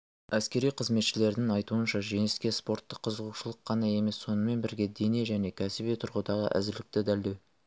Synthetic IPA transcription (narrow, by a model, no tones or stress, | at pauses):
æskʲe̞ɾijqʰəzme̞t̪ʃɪle̞ɾd̪ɪŋɑjt̪uənʃɑʒe̞ŋɪskʲe̞spo̞ɾt̪ːəqʰːəzəʁuʃəlˠəqʰːɑnɑe̞me̞sːo̞nəme̞nbɪɾɡʲe̞d̪e̞ne̞ʒæne̞kʲʰæsɪbijt̪ʰʊɾʁəd̪ɑʁə̰ʔæ̰zɪɾlɪk̚t̪ɪd̪æld̪e̞w